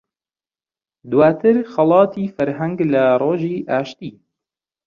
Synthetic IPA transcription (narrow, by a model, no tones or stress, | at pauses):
d̪waːt̪ʰɨɾxɐlˠɑːt̪ʰiːfɐɾɦɛŋɡlɐroːʒiːʔaːʃt̪iː